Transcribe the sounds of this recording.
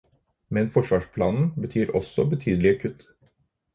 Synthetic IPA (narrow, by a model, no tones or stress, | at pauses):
mɛnfɔʂʋɑːʂpʰlɑːnn̩bət̪ʰyːɾʔɔsɔbət̪ʰyːd̪lɪəkʰʉt̪ː